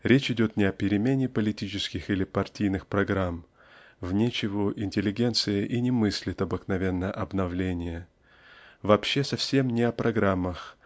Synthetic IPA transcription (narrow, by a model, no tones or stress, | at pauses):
ɾʲet͡ɕɪdʲo̞t̪nʲɪɐpʲɪɾʲɪmʲenʲɪpəlʲɪtʲit͡ɕɪskʲɪxilʲɪpɐrtʲijnɨxpɾɐɡɾam | vnʲet͡ɕɪvəʔɪnʲtʲɪlʲːɪɡʲe̞nt̪sɨjɪʔinʲɪmɨsʲlʲɪt̪ɐbɨknɐvʲe̞nːəʔɐbnɐvlʲenʲɪjə | vɐpɕːe̞sɐfsʲe̞mnʲɪɐpɾɐɡɾamːəx